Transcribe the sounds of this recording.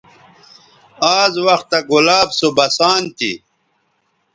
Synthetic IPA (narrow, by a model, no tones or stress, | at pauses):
aːzwɐxt̪ɐɡulaːbsobɐsaːnt̪ḭ